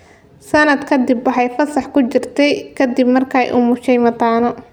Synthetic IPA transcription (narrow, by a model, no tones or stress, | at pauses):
sɐnɐd̪kʰɐd̪ibwɑħɑjfɐsɑħkʰʊt͡ʃɪrt̪ʰɛjkʰɐd̪ibmɐrkʰɐ̰jʔʊmʊʃɛjmɐt̪aːnɔ